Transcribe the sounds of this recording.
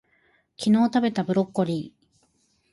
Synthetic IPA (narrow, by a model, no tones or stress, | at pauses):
kʲino̞ːt̪abe̞t̪abɯ̟ɾo̞kːo̞ɾʲiː